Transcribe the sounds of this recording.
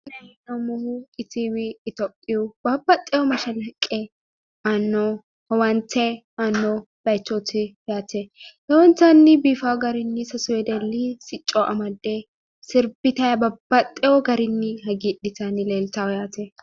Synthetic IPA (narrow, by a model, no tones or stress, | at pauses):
nɐhɪnːomʊhʊkʼɪt͡siwɪːt̪opʼːɪjub̥ɐbːɐt̪ʼːɛjɔmɐʃɐlɐkʼːɛ | anːo | hɛwɐnt̪ɛ | anːɔ | b̥ɐjt͡ʃːot̪ɪ | jaːt̪ɛhɛwɔnt̪ːɐnːɪbiːfawɡɐɾɪnːɪsɐsʊɛd̪ɛlːɪsɪt͡ʃʼːɔʔɐmɐd̪ːe | sɪɾbɪt̪ɐjɐbɐb̥ːɐt̪ʼːɛwɔɡɐɾɪnːɪhɐɡiɗɪtanɪleːlt̪awjaːt̪ɛ